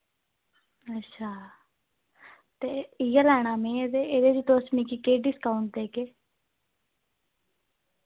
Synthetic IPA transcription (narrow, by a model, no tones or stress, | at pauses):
ətːʃʰaː | t̪eːɪjaːlɛːɽ̃aːmẽːed̪eːeːd̪eːd͡ʒit̪oːsmiːkiːkeːɖiːskaːʊɳʈ̚d̪eːkeː